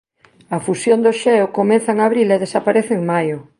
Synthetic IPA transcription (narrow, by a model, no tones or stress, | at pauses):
afusjond̪oʃɛokomen̟θaŋaβɾileð̞esapaɾeθeːŋmajo